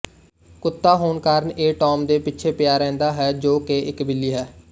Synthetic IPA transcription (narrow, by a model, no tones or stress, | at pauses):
kʊt̪ːaːɦoːnkəɾɳeːʈɔːmd̪eːpɪtːt͡ʃʰeːpɪjaːɾɛ̃ːnd̪aːɦɛːd͡ʒoːkeːɪkbɪliːɦɛː